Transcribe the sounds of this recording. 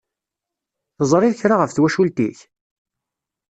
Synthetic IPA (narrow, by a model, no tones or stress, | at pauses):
θzˤɾˤɪðçɾaʁəfθwæʃult̪iç